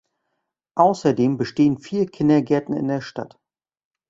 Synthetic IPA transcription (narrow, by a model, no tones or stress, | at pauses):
ʔaʊsɐdeːmbəʃteːənfiːɐkʰɪndɐɡɛɐtn̩ɪ̰ndeːɐʃta̰t